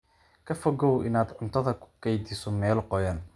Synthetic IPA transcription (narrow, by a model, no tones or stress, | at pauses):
kʰɐfɔɡɔwɪ̰naːd̪ʕʊnt̪ʰɐðɐkʰʊ̥kɛjd̪ɪsɔmɛːlqɔjaːn